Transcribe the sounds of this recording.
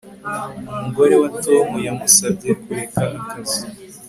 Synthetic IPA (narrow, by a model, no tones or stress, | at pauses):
umuɡo̞ɾe̞watomujamusab̚ɟekuɾekaʔakazi